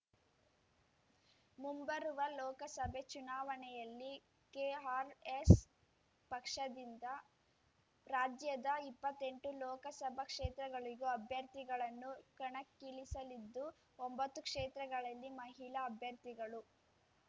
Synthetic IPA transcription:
mumbɐɾuʋɐlɔːkɐsɐbʱet͡ʃunaːʋɐnɛjɐlːi | keɦaːɾes | pɐkʂɐd̪ind̪ɐ | ɾaːd͡ʒjɐd̪ɐipːɐt̪ːe̞ɳʈulɔːkɐsɐbʱɐkʂeːt̪ɾɐɡɐɭiɡuɐbʱjɐɾt̪iɡɐɭɐnːukɐɳɐkːiɭisɐlid̪ːu | ombɐt̪ːukʂeːt̪ɾɐɡɐɭɐlːimɐɦiɭɐːbʱjɐɾt̪iɡɐɭu

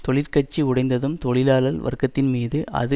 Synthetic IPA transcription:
t̪ɔɭɪɾkɐʈ̚t͡ʃːiʊɽɐɪnd̪ɐðɯmt̪ɔɭɪlaːlɐlʋɐ̰rkːɐt̪ːɪnmiːðɯʔɐ̰ðɯ

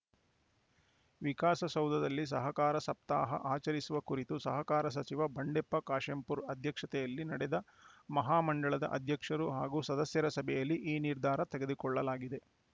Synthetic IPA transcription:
ʋikaːsɐsɐwd̪ɐd̪ɐlːis̬ɐɦɐkaːɾɐsɐp̚t̪aːɦɐ̰ʔaːt͡ʃɐɾisuʋɐkuɾit̪usɐɦɐkaːɾɐs̬ɐt͡ʃiʋɐbɐɳɖepːɐkaːʃempuɾɐd̪ʱjɐkʂɐt̪ɛjɐlːinɐɽɛd̪ɐ | mɐɦaːmɐɳɖɐɭɐd̪ɐ̰ʔɐd̪ʱjɐkʂɐɾuɦaːɡuːsɐd̪ɐsjɐɾɐsɐbʱɛjɐlːiʔiːniɾd̪ʱaːɾɐt̪ɛɡe̞d̪ukɔɭːɐlaːɡid̪e̞

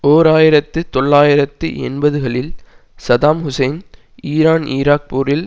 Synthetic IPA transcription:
oːɾaːjɪɾɐt̪ːɯt̪ɔɭːaːjɪɾɐt̪ːɯ̰ʔɛ̰nbɐðɯɣɐɭɪl | sɐðaːmhʊsɐɪn | iːɾaːniːɾaːk̚puːɾɪl

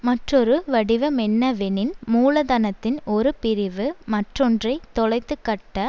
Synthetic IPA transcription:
mɐʈrɔɾɯʋɐɽɪʋɐmɛnːɐʋɛnɪnmuːlɐðɐnɐt̪ːɪnɔɾɯpɪɾɪʋɯmɐʈrɔndrɐɪt̪ːɔɭɐɪt̪ːɯkːɐʈːɐ

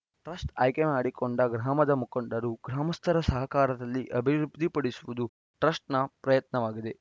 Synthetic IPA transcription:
ʈɾɐsʈɐːjkemaːɽikoɳɖɐɡɾaːmɐd̪ɐmukɐɳɖɐɾuɡɾaːmɐst̪ʰɐɾɐsɐɦɐkaːɾɐd̪ɐlːiʔɐbʱiɾbd̪ʱipɐɽisuʋud̪u | ʈɾɐsʈnɐpɾɐjɐt̪nɐʋaːɡid̪e̞

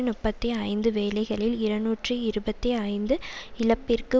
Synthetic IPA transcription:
nʊpːɐt̪ːiɐɪnd̪ɯʋeːlɐɪɣɐɭɪlɪɾɐnuːʈrɯɪɾɯbɐt̪ːiɐɪnd̪ɯɪlɐpːɪrkɯ

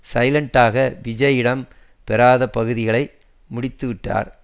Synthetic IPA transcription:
sɐɪlɐɳʈaːɣɐʋɪd͡ʒɐjɪɽɐm | pɛɾaːðɐpɐɣɯðɪɣɐɭɐɪ | mʊɽɪt̪ːɯʋɪʈːa̰ːɾ

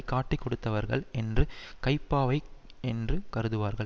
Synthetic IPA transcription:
kaːʈːikːɔɽɯt̪ːɐʋɐɾɣɐ̰ɭɛndrɯkɐɪpːaːʋɐɪ | ɛndrɯkɐɾɯðɯʋaːɾɣɐɭ

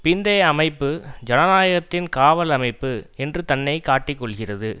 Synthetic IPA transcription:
pɪnd̪ɐjɐmɐɪpːɯd͡ʒɐnɐnaːjɐɣɐt̪ːɪnkaːʋɐlɐmɐɪpːɯɛndrɯt̪ɐnːɐɪkaːʈːɪkːɔɭɣɪrɐðɯ

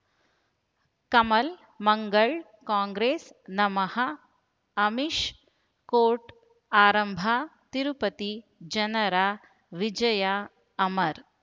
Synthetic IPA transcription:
kɐmɐl | mɐŋɡɐɭ | kãːŋɡɾeːs | nɐmɐhɐ | ɐmiʃ | koːʈ | aːɾɐmbʱat̪iɾupɐt̪id͡ʒɐnɐɾaː | ʋid͡ʒɐjaː | mɐɾ

